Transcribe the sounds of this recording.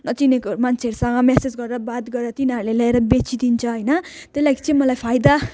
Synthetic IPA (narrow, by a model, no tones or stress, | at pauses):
nʌt͡sinekomant͡sʰeʌɾusʌŋɡʌmesed͡zɡʌɾeɾʌbat̪ɡʌɾeɾʌt̪iniʌɾulelaeɾʌbet͡sid̪int͡sʰʌɦʌjnʌ | t̪eslaɡit͡sʌ̃ĩmʌlajpʰajd̪a